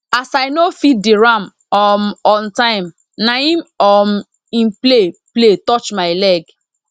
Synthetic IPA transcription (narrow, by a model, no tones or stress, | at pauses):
asaɪnofit̚diɹãm | ɔmɔ̃ntãɪ̃m | naĩmɔm | ĩnplepletɔt͡ʃmaɪlɛɡ